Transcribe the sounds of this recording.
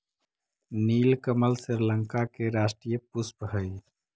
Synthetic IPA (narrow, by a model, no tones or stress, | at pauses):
niːlkəməlsiɾləŋkakeɾasʈɾijəpuspɦəj